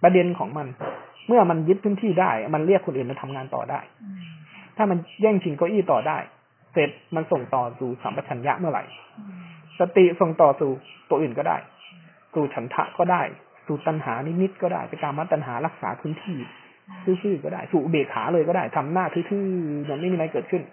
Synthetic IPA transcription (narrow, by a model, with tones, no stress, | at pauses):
pa˧de˧nkʰɔː˩˦ŋma˧nmɯ˥˩ɐma˧nji˦˥t̪̚pʰɯː˦˥˨nt̪ʰiː˥˩daː˥˩jma˧nli˥˩əkʰːo˧nʔɯː˨˩ma˧nt̪ʰa˧mŋaː˧nt̪ɔ̰ː˨˩da̰ː˥˩j | t̪ʰaː˥˩ma˧njɛː˥˩ŋt͡ɕʰi˧nkɔː˧˩ʔiː˥˩t̪ɔː˨˩da̰ː˥˩j | se˨˩t̪̚ma˧nso˨˩ŋt̪ɔː˨˩suː˨˩sa˩˦mɾa˨˧˩t͡ɕʰa˩˦nja̰˦˥ʔmɯ˥˩ɐɾa̰˨˩j | sa˧t̪i˨˩so˨˩ŋt̪ɔː˨˩suː˨˩t̪u˧ʔɯː˨˩nkɔː˥˩da̰ː˥˩j | suː˨˩t͡ɕʰa˩˦nt̪ʰa̰˦˥ʔkɔː˥˩daː˥˩j | suː˨˩t̪a˧nhaː˩˦ni˦˥ni˦˥t̪̚kɔː˥˩da̰ː˥˩jpa˧jkaː˧mːa˦˥t̪̚ːa˧nɦaː˩˦la˦˥k̚sa̰ː˩˦pʰɯː˦˥˩nt̪ʰiː˥˩ | sʰɯː˥˩sɯː˥˩kɔː˥˩da̰ː˥˩jsuː˨˩ʔbeː˨˩k̚ha̰ː˩˦lɤː˧jkɔː˥˩daː˥˩jt̪ʰa˧mnaː˥˩t̪ʰɯː˦˥˩t̪ʰɯː˥˩mɯ˨˧˦nma˥˩jmiː˧ɾa˧jkɤː˨˩t̪̚kʰɯ˥˩n